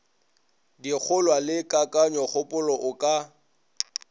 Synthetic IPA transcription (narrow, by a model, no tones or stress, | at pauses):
dik͡xʰʊlwalɪkʼakʼaɲɔχʊpʼʊlɔʔʊkʼa